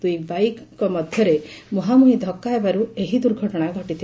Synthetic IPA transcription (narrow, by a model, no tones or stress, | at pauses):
d̪ujbajkkɔmɔd̪ʱjɔɾemɔɦamuɦid̪ʱɔkːaebaɾueɦid̪uɾɡʱɔʈɔɽ̃aɡʱɔʈit̪ʰi